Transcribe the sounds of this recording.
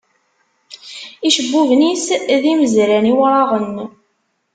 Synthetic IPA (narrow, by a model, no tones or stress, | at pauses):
iʃəbːuvnisðiməzɾæniwɾˤɑʁən